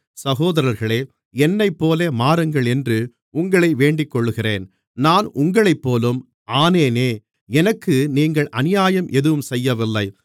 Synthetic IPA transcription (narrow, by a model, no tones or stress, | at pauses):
sɐɣoːðɐɾɐɾɣɐɭeː | ɛnːɐɪpːoːlemaːɾɯŋɡɐɭɛndrɯ | ʊŋɡɐɭɐɪʋeːɳɖɪkːɔɭːɯɣɪreːn | naːnʊŋɡɐɭɐɪpːoːlɯm | ʔaːneːneː | ɛnɐkːɯniːŋɡɐɭʔɐnɪjaːjɐmʔɛðɯʋɯmsɛjːɐʋɪlːɐɪ